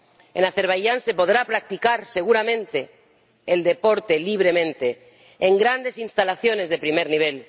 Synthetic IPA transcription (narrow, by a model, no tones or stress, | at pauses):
ḛnaθeɾβajʝanse̞po̞ð̞ɾapɾak̚t̪ikaɾse̞ɣ̞uɾamẽ̞nt̪e̞ː | ld̪e̞po̞ɾt̪e̞liβ̞ɾe̞mẽnt̪e̞ː | ŋɡɾand̪e̞sinst̪alaθjo̞ne̞zðe̞pɾimeɾniβ̞el